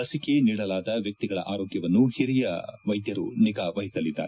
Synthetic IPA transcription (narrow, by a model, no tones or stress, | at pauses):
lɐsikeniːɽɐlaːd̪ɐʋjɐk̚t̪iɡɐɭɐ̰ʔaːɾoːɡjɐʋɐnːuhiɾijɐʋɐjd̪jɐɾṵniɡaːʋɐɦit̪ɐlid̪ːa̰ːɾe